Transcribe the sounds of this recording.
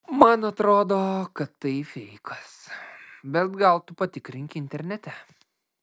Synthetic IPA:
mɐnɐt̪ɾoːd̪oːkɐt̪ːɐɪfʲɛɪkʰɐsbʲɛt̪ɡɐlˠt̪ʊpɐt̪ʲɪkɾʲɪŋʲkʲɪɪnʲt̪ʲɛɾʲnʲɛt̪ʲɛ

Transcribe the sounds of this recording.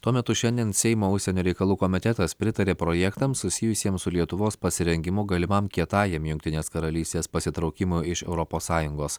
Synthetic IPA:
t̪uɔmʲɛt̪ʊʃʲɛnʲd̪ʲiɛnsʲɛɪmoːʊʃʲsʲsʲɛnʲuːɾʲɛɪkɐlˠuːkɔːmʲɪt̪ʲɛt̪ɐspʲɾʲɪt̪ɐɾʲeːpɾojɛkt̪ɐmsʊsʲɪjʊsʲiɛmsʊlʲiɛt̪ʊʋoːspɐsʲɪɾʲɛŋʲɡʲɪmʊɡɐlʲɪmɐmkʲiɛt̪ɑːjɛmjʊŋʲkt̪ʲɪnʲeːskɐɾɐlʲiːsʲt̪ʲeːspɐsʲɪt̪ɾɒʊkʲɪmʊɪʃɛʊɾɔpoːsːɑːjʊŋɡoːs

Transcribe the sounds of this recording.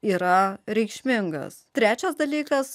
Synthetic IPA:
iːɾɐɾʲɛɪkʃʲmʲɪŋɡɐ̰st̪ʲɾʲæːt͡ʃʲɛsd̪ɐlʲiːkɐs

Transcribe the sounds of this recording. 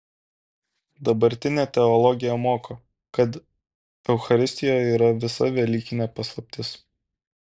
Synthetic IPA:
d̪ɐbɐɾʲt̪ʲɪnʲeːt̪ʲɛɔlˠɔɡʲɪjɛmoːko | kɐt̪ | ɛʊxɐɾʲɪsʲt̪ʲɪjojɛiːɾɐʋʲɪsɐ̰ʋʲɛlʲiːkʲɪnʲepɐslˠɐpʲt̪ʲɪs

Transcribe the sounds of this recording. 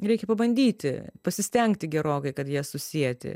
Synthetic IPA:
ɾʲɛɪkʲɛpɐbɐnʲd̪ʲiːt̪ʲɪ̰pɐsʲɪsʲt̪ʲɛŋkt̪ʲɪɡʲɛɾoːkɐɪkɐt̪jiɛsʊsʲiɛt̪ʲɪ̰

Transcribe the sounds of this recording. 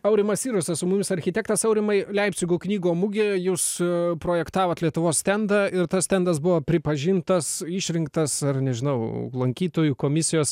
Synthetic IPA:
ɐʊɾʲɪmɐsiːɾosʲɛsʊmʊmʲɪsɐɾʲxʲɪt̪ʲɛːkt̪ɐsɐʊɾʲɪmɐɪlʲɛɪpʲsʲɪɡuːknʲiːɡoːmʊɡʲeːjuːspɾoːjɛkt̪ɑːʋɐːt̪lʲiɛt̪ʊʋoːssʲt̪ʲɛnd̪ɐɪɾt̪ɐst̪ʲɛnd̪ɐsbʊʋoːpʲɾʲɪpɐʒʲɪnt̪ɐsɪʃʲɾʲɪŋkt̪ɐsɐrnʲɛʒʲɪnɐʊlˠɐŋʲkʲiːt̪oːjukoːmʲɪsʲɪjoːs

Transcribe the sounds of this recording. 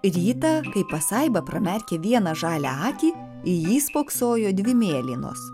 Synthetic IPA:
ɾʲiːt̪ɐkɐɪpɐsɐɪbɐpɾɐmʲɛɾʲkʲɛʋʲiɛnɐʒɑːlʲæɑːt̪ʲiː | ɪjiːspoːksoːjoːd̪ʲʋʲɪmʲeːlʲino̰ːs

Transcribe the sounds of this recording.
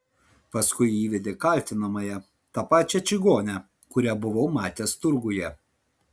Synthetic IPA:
pɐskʊɪiːʋʲɛd̪ʲekɐlʲt̪ʲɪnɐmɐjɛ | t̪ɑpɑːt͡ʃʲɛt͡ʃʲɪɡoːnʲɛ | kʊɾʲɛbʊʋoʊmɑːt̪ʲeːst̪ʊɾɡʊjɛ

